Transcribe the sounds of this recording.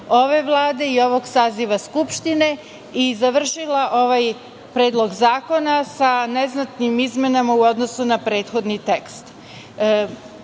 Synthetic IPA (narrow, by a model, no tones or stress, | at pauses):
o̞ʋe̞ʋlˠaːd̪e̞io̞ʋo̞ɡsaːziʋaskupʃt̪ine̞ | izaʋr̩ʃilaʔo̞ʋaj | pɾeːd̪lˠo̞ɡzaːko̞nasaneznat̪nimizme̞namauo̞d̪nosunapɾe̞ːt̪xo̞d̪nit̪e̞kst̪